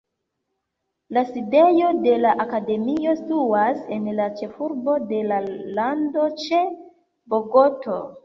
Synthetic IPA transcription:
laside̞jo̞de̞laʔakade̞mio̞stuasenlat͡ʃe̞fuɾbo̞de̞lalando̞t͡ʃe̞ | bo̞ɡo̞to̞

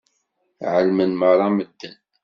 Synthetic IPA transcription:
ʕəlmənməɾˤɑməd̪ːən

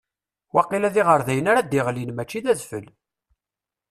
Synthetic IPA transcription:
wɑqːilæðiʁəɾðæjənaɾad̪iʁlinmæt͡ʃːiðæðfə̰l

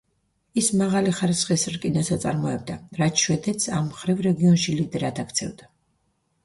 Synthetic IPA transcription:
ismaʁaliχaɾisχisɾkʼinatsat̪sʼa̰ɾmɔɛb̚d̪aɾat̪ʃwɛd̪ɛt̪sʰamːχɾivɾɛɡiɔnʃilid̪ɾad̪ʰakʰt̪sʰɛvd̪a

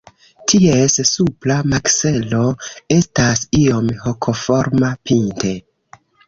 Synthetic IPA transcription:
tʰiessuplamakse̞lo̞e̞stasio̞mho̞kʰo̞fo̞ɾmapinte̞

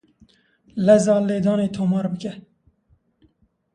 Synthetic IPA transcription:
lɛzɑːleːd̪ɑːneːt̪ʰoːmɑːɾbɨkɛ

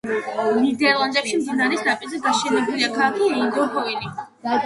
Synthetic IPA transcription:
nid̪ɛlˠand̪ʼɛpʃimd̪inaɾɛsd̪apʼizɛɡaʃɛnɛbuliakʰalˠakʰiɛiŋɡɔɾpʰɔili

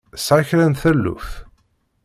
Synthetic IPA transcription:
saçɾænθælːṵθ

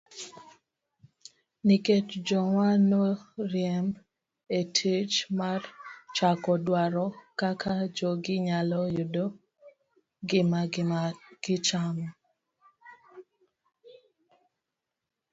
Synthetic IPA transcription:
niket͡ʃd͡ʒɔŋanɔɾjɛm | etʰit͡ʃmart͡ʃakɔdwaɾɔkakʰad͡ʒɔɡɪɲalɔjʊdo | ɡɪma | ɡ̥ɪt͡ʃamɔ

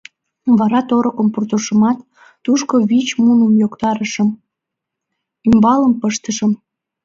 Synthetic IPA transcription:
βɑɾɑt̪oɾokəmpurt̪uʃəmɑt̪ː | uʃkoβit͡ɕmunəmjokt̪ɑɾəʃə̆m | ymbɑləmpəʃt̪əʃəm

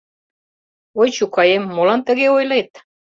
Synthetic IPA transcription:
ojt͡ɕukɑjemːolɑnt̪ə̆ɣeojlet̪̚

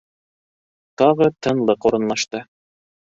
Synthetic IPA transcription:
t̪ɑʁɤt̪ʰɤ̆nlˠɤquɾɤ̆nlˠɑʃt̪ɤ

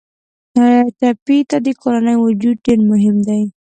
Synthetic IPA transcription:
naat͡ʃapit̪ad̪əkoɾanəjwʊd͡ʒud̪̚ɖeɾmʊɦɪmd̪aj

